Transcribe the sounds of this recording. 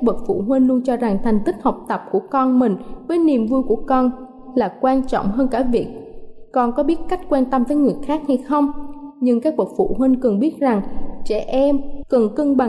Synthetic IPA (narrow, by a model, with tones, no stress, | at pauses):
a˦˥k̚ɓə˨˩t̚fṵ˧˩ɦwi˧nlu˧ənt͡ɕɔ˧za˨˩ŋt̪ʰɛ˨˩jŋ̟t̪ï˦˥k̟̚hə˨˩wk͡p̚t̪ə˨˩p̚ku˧˩əkɔ˧nmï˨˩ŋ̟vəː˨˦jni˨˩əmvu˧jku˧˩əkɔ˧n | laː˨˩kwaː˧nt͡ɕɔ̰˧˨wŋ͡mɦəː˧nkaː˧˩vi˨˩ək̚kɔ˧nkɔ˨˦ɓi˦˥ət̚ka˦˥jk̟̚kwaː˧nt̪ə˧mvəː˨˦jŋɨ˨˩əjxaː˦˥k̚ha˧jxə˧wŋ͡mɲɨ˧ŋkaː˦˥k̚ɓə˨˩t̚fṵ˧˨ɦwi˧ŋkɨ˨˩ŋɓi˦˥ət̚za˨˩ŋt͡ɕɛ̰˧˩ʔɛ˧mkɨ˨˩ŋkɨ˧ŋɓa˨˩